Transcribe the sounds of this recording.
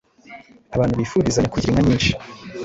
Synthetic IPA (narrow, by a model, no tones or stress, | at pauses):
aβaːnhuβiːfuɾizaɲakuɟiɾiŋɡaɲiːnʃi̥